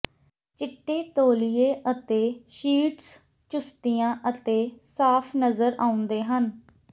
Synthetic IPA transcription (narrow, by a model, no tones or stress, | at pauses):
t͡ʃɪʈːeːt̪oːlɪjeːʔət̪eːʃiːʈs | t͡ʃʊst̪ijãːʔət̪eːsaːpʰnəzəɾaːʊ̃nd̪eːɦən